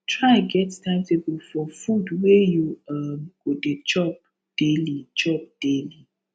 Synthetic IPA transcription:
tʰɹaɡɛtstãɪ̃mtebofɔfudwejuamɡodet͡ʃɔp̚ | d̥elit͡ʃɔp̚d̥eli

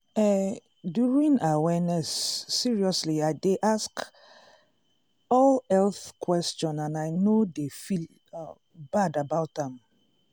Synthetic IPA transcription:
ɛ | djuɹĩnawɛnɛsːiɹiɔsliaɪdeʔask | ɔlɛlθkʰwɛstɔ̃nãnajnodefil | b̥adabaʊtãm

